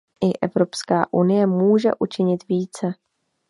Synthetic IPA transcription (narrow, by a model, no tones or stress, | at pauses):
ʔɪʔɛ̰vɾo̞pskaːʔunɪjɛmuːʒɛ̰ʔut͡ʃɪɲɪt̪viːt͡sɛ